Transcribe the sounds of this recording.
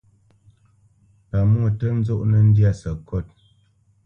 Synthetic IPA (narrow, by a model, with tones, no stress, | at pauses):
pa˨mɔ˦˨tə˦n̩˦zo˦ʔnə˦n̩˦dja˦˨sə˨kʰo˦˨t̚